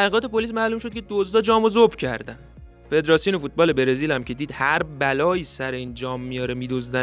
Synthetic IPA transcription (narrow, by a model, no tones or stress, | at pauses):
æʁiːɣɒːt̪ʰe̞po̞lis̬mæːluːmʃo̞d̪̚cʰe̞d̪ozd̪ɒːd͡ʒɒːmozobcʰæ̰ɾd̪æn | fe̞d̪ɾɒːsjonefuːt̪̚bɒːle̞be̞ɾe̞ziːlæmcʰe̞d̪iːd̪hæɾbælɒːjiːsæɾeiːnd͡ʒɒːmːijɒːɾemid̪ozd̪æ